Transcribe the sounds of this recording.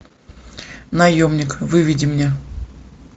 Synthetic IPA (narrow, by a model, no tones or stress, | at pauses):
nɐjomnʲɪkvɨvʲidʲɪmnʲe